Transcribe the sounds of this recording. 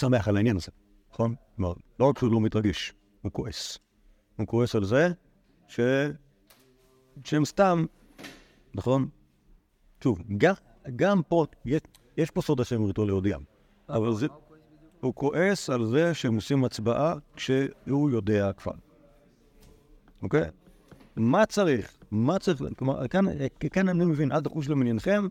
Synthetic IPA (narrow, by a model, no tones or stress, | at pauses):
same̞aχalainjanaze | naχo̞nloma̰ʁlood̪ʃulomit̪ʁaɡiʃ | hukoʔes | hukoesalze | ʃe | ʃeemst̪am | naχo̞n | ʃuvɡa | ɡampoje | jeʃposodaʃemit̪olejodɛm | avalze | hukoʔesalzeʃeemosimat͡sbaʔakʃehujo̞de̞akv̥a̰ʁ | ʔoke | mat͡saʁiχmat͡saʁiχkloma̰kankkanamnimevinʔalt̪aχuʃ̬leminjenχem